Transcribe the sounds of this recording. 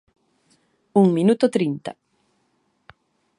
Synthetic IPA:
uŋminut̪ot̪ɾint̪a̰

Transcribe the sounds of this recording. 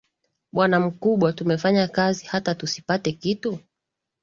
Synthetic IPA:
ɓwanam̩kuɓwatumɛfaɲakazihatatusi̥patɛkitu

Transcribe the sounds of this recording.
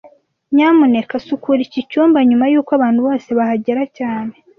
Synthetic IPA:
ɲaːmune̞kasukuɾicicuːmbaɲumajuːkwaβaːn̥huβo̞ːse̞βahaɟeɾacaːne̞

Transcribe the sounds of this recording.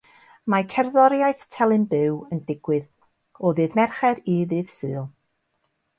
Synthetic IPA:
makʰɛrðɔɾjajθtʰɛlˠɨnbɪwəndɪɡ̥wɨð | ɔðɨːðmɛrχɛɾiðɨːðsɨːlˠ

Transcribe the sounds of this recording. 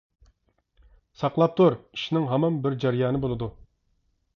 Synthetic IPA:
sɑqlˠɑp̚t̪ʰuɾiʃnɪŋɦɛmɑnbɪɾd͡ʒæɾjɑːnɨbolˠɨd̪u

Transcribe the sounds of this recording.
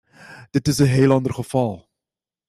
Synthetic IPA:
d̥ətəsəɦɛjlɑndərχəfɐlˠ

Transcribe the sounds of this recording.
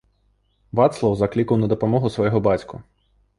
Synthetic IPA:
ʋɑt̪slˠɐwzɐklʲikɐwnɐd̪ɔpɔmɔɦʊsʋɔjɔɦɔbɑtʲkʊ

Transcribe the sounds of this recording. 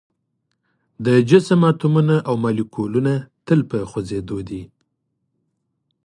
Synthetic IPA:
d̪əd͡ʒɪsəmat̪umunaʔawmalikʰolunat̪əlpəxozed̪od̪i

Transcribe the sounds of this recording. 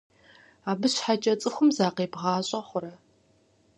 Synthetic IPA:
aːbɨɕħat͡ʃʼɐt͡sʼɨxʷʊmzaːqeːbʁɑːɕʼɐχʷʊɾɐ

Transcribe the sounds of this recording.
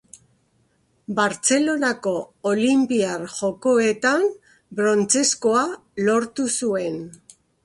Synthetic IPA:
baɾt͡se̞lo̞nako̞ːlimpiarʝo̞ko̞e̞t̪an | bɾo̞nt͡se̞sko̞alo̞ɾt̪usue̞n

